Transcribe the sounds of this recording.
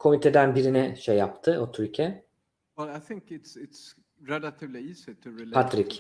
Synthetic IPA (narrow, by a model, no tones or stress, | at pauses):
kʰo̞mit̪ʰed̪ænbiɾinɛʃejːap̚t̪ʰɯʔot̪ʰyɾcʰɛ | wɛlajθɪ̃ŋkɪtsɪts | ɹɛlat̪ʰivliisɛt̪ɨɹɛlpat̪ɾic